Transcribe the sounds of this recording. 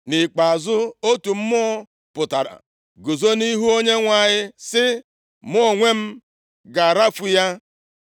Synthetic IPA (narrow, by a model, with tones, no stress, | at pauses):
nɪ˨k͡pa˨a˨zʊ˦o˦tu˨m̩˦mɔ˦ | pʊ˨ta˨ɾa̰˨ | ɡo˨zo˦ni˦ɦu˦o˦ɲe˦ŋʷa˨ɲɪ˦sɪ˦ | mɔ˦˨ŋʷe˦m̩˦ | ɡa˨ɾa˦fu˦ja˦